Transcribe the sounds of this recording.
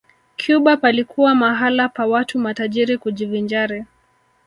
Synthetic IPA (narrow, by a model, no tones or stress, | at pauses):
kʰjuɓapalikuwamaɦalapawatumataʄiɾikuʄivind͡ʒaɾɛ